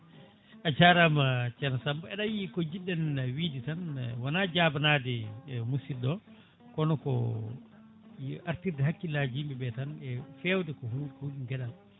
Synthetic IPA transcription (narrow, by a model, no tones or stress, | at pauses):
ʔat͡ʃaɾamat͡ʃɛnsambaɛɗajikɔd͡ʒiɗːɛnwiːditanwanaːd͡ʒaːbanadɛmusiɗɔ | kɔnɔkɔ̰ | ʔaɾtiɾdɛɦakːilaːd͡ʒiːmbɛbɛtanɛfɛːwdɛkɔhuuɗiŋɡɛɗan